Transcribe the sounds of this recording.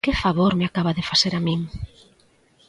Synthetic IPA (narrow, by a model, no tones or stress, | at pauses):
kɪfaβoɾmeakaβaðɪfaseɾamĩŋ